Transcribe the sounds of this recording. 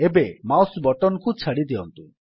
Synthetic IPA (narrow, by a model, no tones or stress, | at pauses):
ebemawsbɔʈɔnkut͡ʃʰaɽid̪iɔnt̪u